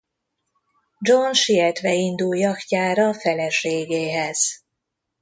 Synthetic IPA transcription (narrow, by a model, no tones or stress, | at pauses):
d͡ʒonʃiɛt̪ʋɛind̪uljɒkcaːɾɒːfɛlɛʃeːɡeːɦɛz̥